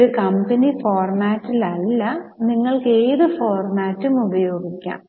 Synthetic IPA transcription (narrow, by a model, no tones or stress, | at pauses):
ɾukɐmbɐnifoːrmaːtːilɐlːɐniŋːɐɭkeːðɨfoːrmaːtːumubɐjo̞ːɡikʲːa̰ːm